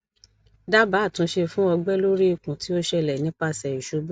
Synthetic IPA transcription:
da˦ba˨˦˨tũ˨˧˦ʃe˧fũ˦ɔ˧ɡ͡bɛ˦lo˦ɾi˦i˦˨kũ˨ti˨˦o˦ʃɛ˧lɛ˨nĩ˨˦k͡pa˧sɛ˨i˨ʃu˨˧˦bu˦

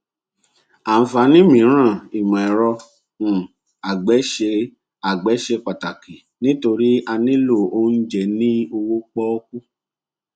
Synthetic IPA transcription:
a˨n̩˨˦fa˧˦nĩ˦mĩ˨˦ɾ̃ã˦˨i˨mã˨ɛ˨ɾɔ˧ | ũ˨ | a˨ɡ͡bɛ˨˦ʃe˧ | a˨ɡ͡bɛ˨˦ʃe˧k͡pa˨ta˨ki˨ | nĩ˦to˧ɾi˦a˧nĩ˦lo˦˨o˦n̩˦d͡ʒɛ˨nĩ˦o˧wo˦k͡pɔ˦o˦k̚u˦

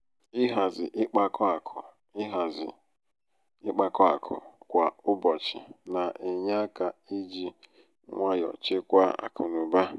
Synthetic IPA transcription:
ɪ˦ɦa˨zɪ̰˨ʔɪ˦k͡pa˦kɔ˦a˨kʰʊ˨ | ɪ˦ɦa˨zɪ˨ | ɪ˦k͡pa˨kɔ˦a̰˨kʰʊ̰˨kʷa˨ʊ˦bɔ˨t͡ʃɪ̰˨na˨ʔɪ˨ɲa˦ka˨i˦d͡ʒi˦ | ŋʷa˦jɔ̰˨t͡ʃɪ˦kʷa˦a̰˨kʰʊ˨nʊ˨ba˦

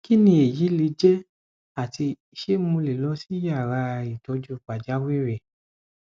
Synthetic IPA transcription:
ki˦nĩ˧˦e˨ji˨˦li˧˦d͡ʒɛ˦ | a˦˨ti˧i˧ʃe˦mũ˧le˨lɔ˨˦si˦ja˦˨ɾa˧˨i˨tɔ˨˧˦d͡ʒu˦˨k͡pa˨d͡ʒa˨˦we˦ɾɛ˨

